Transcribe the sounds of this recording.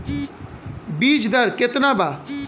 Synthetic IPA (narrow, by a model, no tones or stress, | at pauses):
biːd͡ʒd̪əɾkɪt̪nãːbaː